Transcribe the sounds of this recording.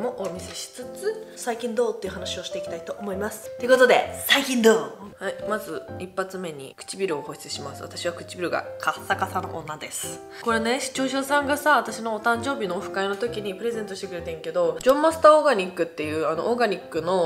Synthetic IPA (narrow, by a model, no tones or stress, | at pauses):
mo̞ʔomʲise̞ɕi̥t͡sɨt͡sɨsaikʲĩnd̪o̞ːt̪ːeiɯ̟hanaɕio̞ɕi̥t̪e̞ikʲi̥t̪ait̪o̞ʔomo̞imasɨ̥t̪e̞ɯ̟ko̞t̪o̞d̪e̞saikʲĩnd̪oːhaimazɨipːat͡sɨme̞ɲ̟ḭkɯ̥t͡ɕibʲiɾɯ̟o̞ho̞ɕi̥t͡sɨ̥ɕimasɨβa̰t̪aɕiβakɯ̟̥t͡ɕibʲiɾɯ̟ɡa̰kʰasːakasano̰ʔonːad̪e̞sɨ̥ɨ̥ | ko̞ɾe̞ne̞ɕi̥t͡ɕo̞ːɕ̬osãŋɡasaβat̪aɕino̞ːt̪ãɲ̟d͡ʑo̞ːbʲino̞ːɸɯ̟̥kaino̞t̪o̞kʲiɲ̟ipɯ̟ɾe̞ze̞nt̪oɕi̥t̪ekɯ̟ɾe̞t̪ẽ̞ŋke̞d̪od͡ʑõ̞mːasɨ̥t̪ao̞ɡaɲ̟ʲikːɯ̟t̪ːe̞jɯ̟ːano̞̰ʔoɡaɲ̟ʲikːɯ̟no̞